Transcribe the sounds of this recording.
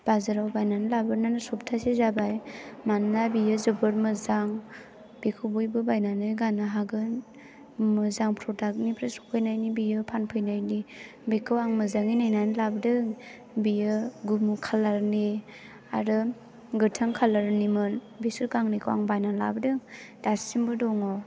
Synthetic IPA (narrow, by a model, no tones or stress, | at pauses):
b̥azaɾawbajnanɯlabɯɾnanɯsɔp̚tʰasizabajmanːabijɯzɯbɯɾmɯzaŋ | b̥ikʰubujbɯbajnanɯɡanaɦaɡɯn | mɯzaŋpʰɾɔdak̚nipʰɾasɔ̥pʰɯjnajnibijɯpʰanpʰɯjnajni | bikʰɯwaŋmɯzaŋinajnajnɯlabdɯŋ | bijɯɡumkʰalaɾni | a̰ɾɯ | ɡɯtʰɯŋkʰalaɾnimɯn | bisɯɾkaŋnikʰɯwa̰ŋbajnala̰bdɯŋ | d̥asimbɯdɔŋɔ